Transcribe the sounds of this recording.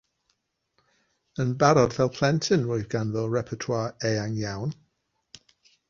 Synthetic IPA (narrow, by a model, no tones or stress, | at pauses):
ənbaɾɔdvɛlˠpʰl̥ˠɛntʰənɹoːɨðɡanðɔɹɛpʰɔtʰwaːɹɛaŋjawn